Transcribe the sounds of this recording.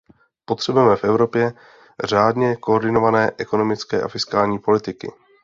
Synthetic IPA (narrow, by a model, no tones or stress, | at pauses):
po̞t̪r̥ɛbujɛmɛfʔɛvɾo̞pjɛ | r̝aːdɲɛkooɾdɪno̞vanɛːʔɛko̞no̞mɪt͡skɛ̰ːʔa̰fɪskaːlɲiːpo̞lɪt̪ɪkɪ̰